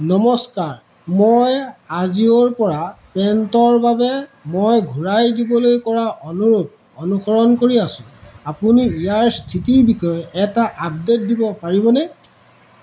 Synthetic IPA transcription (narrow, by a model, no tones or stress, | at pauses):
nɔmɔskaɹ | mojazioɹpɔɹapɛntɔɹbabɛmojɡʱuɹajdibɔlojkɔɹaʔɔnuɹut | ɔnuxɔɹɔnkoɹiasʊ̃apuniːjaɹstʰitiɹbixɔjɔʔɛtaʔab̚det̚dibɔpaɹiβɔnɛ